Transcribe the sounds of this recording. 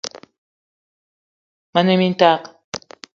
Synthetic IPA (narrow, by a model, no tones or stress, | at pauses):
manemint̪aq